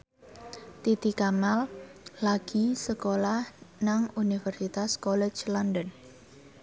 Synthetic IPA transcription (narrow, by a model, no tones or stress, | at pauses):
t̪it̪ikamalːaɡ̥isəkolahnaŋunifɛrsit̪askɔlɛ̥t͡ʃlɔndən